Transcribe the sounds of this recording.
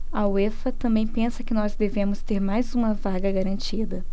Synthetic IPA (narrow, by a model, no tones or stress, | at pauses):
ɐwefɐt̪ɐ̃mbẽj̃pẽsɐkɪnɔzd̪evẽmʊst̪eɾmajzũmɐvaɡɐɡaɾɐ̃nt͡ʃid̪ɐ